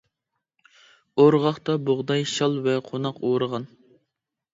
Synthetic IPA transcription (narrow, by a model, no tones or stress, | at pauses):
oɾʁɑχt̪ɑboʁd̪ɑjʃɑlˠvɛqʰonɑqoɾəʁɑn